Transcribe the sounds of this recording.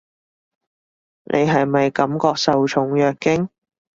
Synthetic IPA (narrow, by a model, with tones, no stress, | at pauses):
nʔe˨˧jɦɐ˨jmɐ˨jkɐ˨˥mkɔː˧k̚sɐ˨wt͡ʃʰʊ˨˥ŋjœː˨k̚ːɪ˥ŋ